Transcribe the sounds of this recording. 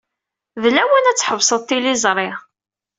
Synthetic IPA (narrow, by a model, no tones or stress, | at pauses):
ðlæwənæt͡sːħəvsˤəðˤt̪ːilizˤɾˤɪʁ